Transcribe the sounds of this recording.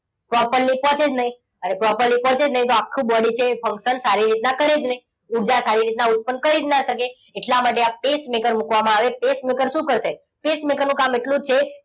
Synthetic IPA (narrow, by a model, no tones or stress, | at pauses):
pɾɔpəɾlipɔ̃t͡ʃed͡ʒnəɦĩ | əɾepɾɔpəɾlipɔ̃t͡ʃed͡ʒnəɦĩt̪oakʰːũbɔɽit͡ʃʰefə̃ŋkʃənsaɾiɾit̪nakəɾed͡ʒnəɦĩ | uɾd͡ʒasaɾiɾit̪naut̪̚pənkəɾid̪naʃəkeː | ʈlamaʈeapesmekəɾmukʋamãaʋepesmekəɾʃũkəɾʃe | pesmekəɾnũkameʈlũd͡ʒt͡ʃʰe